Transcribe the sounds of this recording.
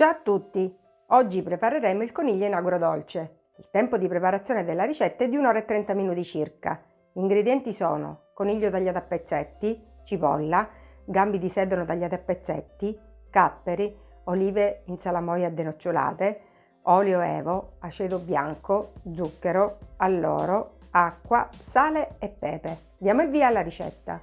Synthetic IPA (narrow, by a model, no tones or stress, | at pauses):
d͡ʒat̪ːut̪ːi | ɔd͡ʒːipɾepaɾeɾemoilkoniʎːoinaɡuɾod̪ɔlt͡ʃe | ilt̪ɛmpod̪ipɾepaɾat̪sːjoːned̪elːaɾit͡ʃɛt̪ːaɛd̪ːiunɔːɾaet̪ːɾɛnt̪aminuːt̪it͡ʃirka̰ | iŋɡɾed̪jɛnt̪isɔ̰ːno̰koniʎːot̪aʎːaːt̪apːet̪sːɛt̪ːi | t͡ʃipɔ̰lːaɡambid̪isɛd̪onot̪aʎːaːt̪eapːet̪sːɛ̰t̪ːikapːeɾi | oliːveinsalamɔjad̪ːenot͡ʃːola̰ːt̪e | ɔljoɛ̰ːvoat͡ʃɛːd̪objaŋkod̪zukːeɾoalːɔ̰ːɾoakːwasaːleːpːɛ̰ːpe | d̪jaːmoilviːalːaɾit͡ʃɛ̰t̪ːa̰